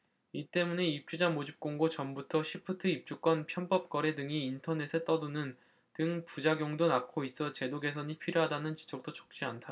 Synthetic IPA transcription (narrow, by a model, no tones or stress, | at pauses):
it͈e̞mune̞ip̚t͡ɕ͈ud͡ʑamod͡ʑip̚k͈oŋɡot͡ɕʌmbutʰʌɕʰipʰɯtʰɯip̚t͡ɕ͈uk͈wʌnpʰjʌnp͈ʌp̚k͈ʌɾe̞dɯŋiːntʰʌne̞sʰe̞t͈ʌdunɯn | tɯŋpud͡ʑaɡjoŋdonakʰois͈ʌt͡ɕe̞doɡe̞sʰʌɲipʰiɾjoɦadanɯnt͡ɕi̥d͡ʑʌk̚t͈ot͡ɕʰʌ̥k̚t͡ɕ͈iantʰa